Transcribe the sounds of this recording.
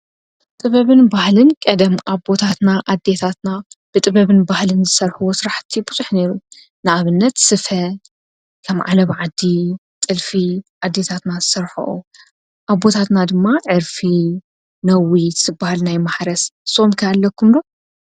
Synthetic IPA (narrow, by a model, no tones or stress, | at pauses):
t̪ʼɨβɐβɨnbahlɨnkʼɐd̪ɐmʔaβbo̞t̪ʰat̪naʔad̪ːe̞t̪ʰat̪nab̥ɨt̪ʼɨβɐβɨnbahlɨnzɨsɐɾħuwosɨɾaħt̪ʰːibɨzʼuħne̞ɾu | nɨʔaβɨnːɐt̪sɨfɐ | kʰɐmʕa̰lɐβʕad̪ːi | t̪ʼɨlfiʔad̪ːe̞t̪ʰat̪nazɨsɐɾħṵʔṵ | ʔaβbo̞t̪ʰat̪nad̪ɨmːaʕɨɾfi | nɐwiɨzɨbːahalnajmaħɾɐsɨsːomkʰɐjalːɐkʰːumd̪o̞